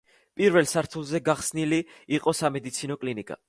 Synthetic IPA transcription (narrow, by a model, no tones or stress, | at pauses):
pʼiɾvɛlˠsaɾt̪ʰulˠzɛɡaχsniliːqʼɔsamɛd̪it̪sʰinɔkʼlinikʼa̰